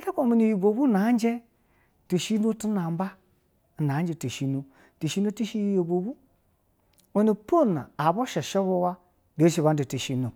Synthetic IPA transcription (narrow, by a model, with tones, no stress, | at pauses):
ta˦kʷo˦˨mi˨ni˨ji˨bo˨bu˦na˨˦n˦d͡ʒe˦ | ti˨ʃi˦no˦tu˦na˨m˦ba˦˨ | n˨a˨˦d͡ʒe˦ti˨ʃi˦no˨ | ti˨ʃi˦no˦ti˦ʃi˦jjo˨bo˨bu˦ | o˦ni˨po˦˨na̰˨a˨bo˦ʃe˨ʃe˦βo˦wa˦ | de˨˦ʃi˨βa˦n˦de˨ti˨ʃi˦no˨